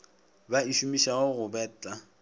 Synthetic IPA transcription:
baiʃumiʃaɣʊɣʊbɛːt͡ɬʼa

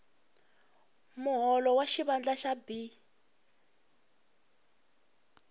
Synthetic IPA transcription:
muɦɔlɔwaʃiβand͡ɮaʃabi

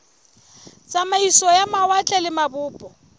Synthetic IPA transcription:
t͡sʼamaisɔjamawat͡ɬʼɛlɪmabʊːpʼɔ

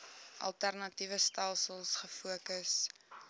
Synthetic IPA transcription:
ʔɐ̰lˠtærnɐtivəstælˠsəlˠsχəfuəkəs

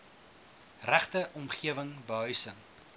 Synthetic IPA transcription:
ræχtəʔɔmχiəvəŋbəɦœɥsəŋ

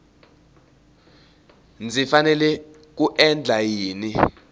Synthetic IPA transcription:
nd͡zʱifanɛlɛ | k̬uʔɛnd͡ɮʱajiːni

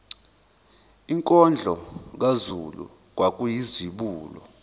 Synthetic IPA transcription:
iŋkʼɔnd͡ɮʱɔk̬azulṵ | k̬wak̬ʼujizwiɓuːlɔ̰

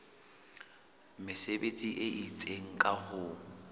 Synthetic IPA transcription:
mɪsebet͡sʼiʔeʔit͡sʼeŋ̩kʼahʊ

